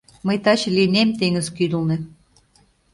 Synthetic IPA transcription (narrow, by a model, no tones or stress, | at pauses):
məjt̪ɑt͡ɕlʲinemt̪eŋəzkyd̪əlˠnĕ